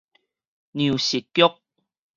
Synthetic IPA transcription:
nju˨˩ɕi˨˩t̚kjʊ˦˥k̚

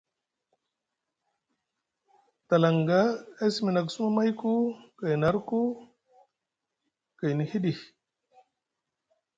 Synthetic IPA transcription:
t̪a˨la˨ŋɡa˦a˦si˨mi˨na˨k̬su˦ma˦ma˦jku˦ka˨jna˨ɾku˦ | ka˨jni˨hi˦ɗi˨

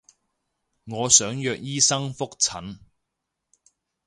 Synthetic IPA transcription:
ŋɔː˨˧sœː˨˥ŋjœː˧˨k̚jiː˥sɐ˥ŋfʊ˥k̚t͡sʰɐ˨˥n

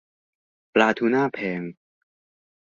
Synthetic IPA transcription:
plaː˧t̪ʰuː˧naː˥˩pʰɛː˨˧˦ŋ

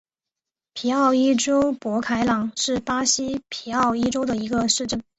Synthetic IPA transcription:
pʰi˨˥ɑ˥˩ʊi˥ʈ͡ʂo˥ʊpwɔ˧˥kʰa˧˥ɪlɑ˨˩˦ŋʂɻ̩˥˩pa˥ɕi˥pʰi˨˩˥ɑ˥˩ʊi˥ʈ͡ʂo˥ʊd̪ə˨i˧˥ɡə˧ʂɻ̩˥˧ʈ͡ʂə˥˩ŋ

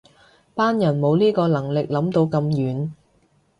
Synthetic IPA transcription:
paː˥njɐ˨˩nmo˨˧wliː˥kɔː˧lɐ˨˩ŋlɪ˨k̚lɐ˨˥mt̪o˧wkɐ˧mjyː˨˥n

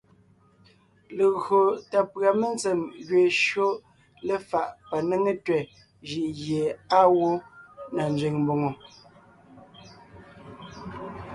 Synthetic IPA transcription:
le˨ɣo˨ta˨pɰa˨me˦nt͡se˨mɣɥe˨ʃɰo˦ | le˨fa˨ʔpa˨ne˦ŋe˦twɛ˨ | ʒi˨ʔɣje˨a˦wo˦na˨nd͡zɥe˨ŋmbo˨ŋo˨

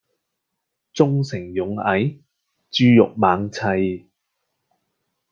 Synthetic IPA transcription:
t͡sʊ˥ŋsɪ˨˩ŋjʊ˨˥ŋɐ˨˥j | t͡ʃyː˥jʊ˨k̚maː˨˥ŋt͡sʰɐ˧j

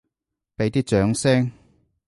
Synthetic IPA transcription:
pe˨˥jt̪iː˥t͡ʃœː˨˥ŋsɛː˥ŋ

